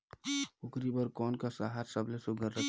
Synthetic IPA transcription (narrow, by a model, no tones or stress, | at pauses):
ukɾibəɾkɔːnkasaɦaɾsəblesuɡəɾːə